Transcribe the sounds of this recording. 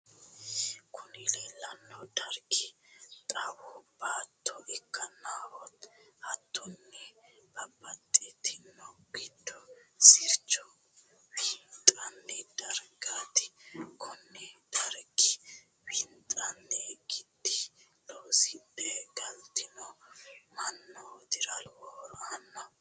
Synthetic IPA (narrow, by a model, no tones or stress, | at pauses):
kʰʊnɪleːlːɐnːɔd̪̥ɐɾɡɪt̪ʼɐwɔb̥aːt̪ːɔɛkːɐnaːwɔt̪hɐt̪ːʊnːɛb̥ɐbːɐt̪ʼːɪt̪ʰɪnːɔɡɪd̪ɔsɪɾt͡ʃːɔ | wint̪ʼɐnːɛd̪̥ɐɾɡaːt̪ɪ̥kʰɔnːɛd̪̥ɐɾɡɪ | wint̪ʼɐnːɛɡɪd̪ːɪ | loːsɪnt̪ɛɡɐlt̪ɪnɔmɐnːɔd̪ɪɾɐlwɔɾʔɐnːɐ